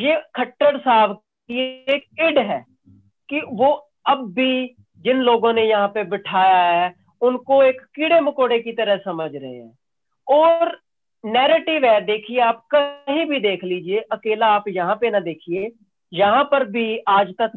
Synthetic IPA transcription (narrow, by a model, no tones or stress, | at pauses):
jeːkʰəʈːəɽsaːb | kieːkɪɖɦɛː | kiʋoː | ɐbːʱi | d͡ʒɪnloːɡõnejɐɦãpebɪʈʰaːjaɦɛ | ʊnkoeːkːɪɽeməkoːɽekit̪əɾəɦsəməd͡ʒɾəɦḛɦɛ̰̃ː | ɔːɾ | nɛːɾeːʈɪʋɦɛːd̪eːkʰieaːp̚kəɦĩbʱid̪eːkʰliːd͡ʒieʔɐkeːlaaːpjɐɦãpenad̪eːkʰieː | jɐɦãpəɾbʱiaːd͡ʒt̪ək